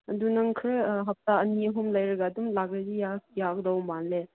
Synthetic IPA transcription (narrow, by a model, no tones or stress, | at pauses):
ɐdunɐŋkʰɾɯɦɐp̚taɐniəɦumlɐjɾɐɡadumlaɡɾezijajak̚dawmbanle